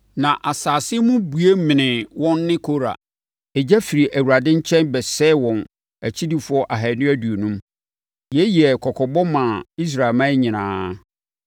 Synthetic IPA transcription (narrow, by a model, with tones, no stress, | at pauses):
nã˨ʔa˨saː˨sɪ˦ɛ˦mʊ̃˦bu˨e˦mɪ̃˨nɪ̃˨wɔ̃˦nːɪ̃˦kʰo˦ɾa̰˨ | ɛ˨d͡ʑæ˦fi˨ɾi˨ʔæ˨wu˨a˨dɪ̃˦ɲ̩˦t͡ɕʰɛ̃˦nbɛ˨sɛ˦wɔ̃˨n | æ˨t͡ɕʰi˦di˦fʊ˦ɔ˦ʔa˨ɦæ˨nʊ̃˦æ˦du˨o˨nũ˦m | jɛ˦ji˨ɛ˨kʰɔ˨kʰɔ˨bɔ˦mã˨i˦s̬ɾa˨lmã˦ɲɪ̃˨nãː˦